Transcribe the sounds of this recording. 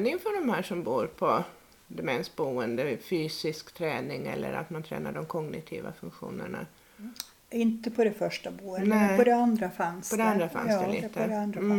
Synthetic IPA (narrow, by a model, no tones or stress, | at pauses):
nɪŋfœɖɔmhæːʂɔmbuːɾpʰɔ | d̪ɛmɛnst̪̚buːənd̪əfyːsɪskt̪ʰɾɛːnɪŋɛ̰lːʔə̰ɾa̰t̪mant̪ʰɾɛ̰ːnaɖɔmkʰɔɡnɪt̪ʰḭːva̰fɵŋkɧṵːnəɳa̰ | ɪnt̪əpʰɔd̪ɛfœʂʈabuːnɛpɔd̪ɛand̪ɾafanspʰɔd̪ɛand̪ɾafa̰nsd̪ɛliːt̪ə